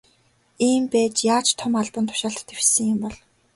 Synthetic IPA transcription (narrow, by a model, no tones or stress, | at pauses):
iːmpæːt͡ɕjaːt͡ɕt̪ʰʊmaɮpə̆nt̪ʰʊ̥ʃaːɬt̪t̪ewsɘ̆ŋjʊmpɔɮ